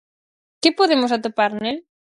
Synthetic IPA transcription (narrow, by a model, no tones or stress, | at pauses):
kɪpoðemosat̪opaɾnel